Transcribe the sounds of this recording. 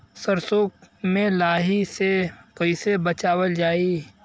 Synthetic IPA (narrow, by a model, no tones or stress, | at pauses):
səɾsoːkmẽlaːɦisekəɪsebət͡ʃaːwəld͡ʒaːi